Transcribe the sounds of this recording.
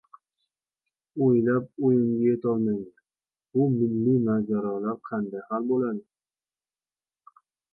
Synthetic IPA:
ojlap̚ojɪmɡʲajet̪ʰɒlˠmaŋd̪ɪ | bʊmɪlːimad͡ʒaɾɒlaɾqʰɑnd̪ajhalbolad̪ɪ

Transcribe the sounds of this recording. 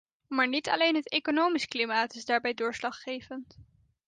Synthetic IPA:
maːɹnitɑ̰lejnɦətejkonowmisklimaːtɪzdaːɹbɛjdʊːɹslɑχχejvənt

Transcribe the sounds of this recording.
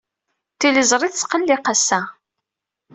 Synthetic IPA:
t̪ːiləzˤɾˤiθt͡sːqəlːiqasæ

